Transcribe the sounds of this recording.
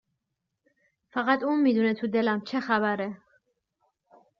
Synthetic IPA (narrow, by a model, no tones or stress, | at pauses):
faɣat̪uːnmid̪unɛt̪ʰud̪ɛlæmt͡ʃʰɛxæbæɾɛ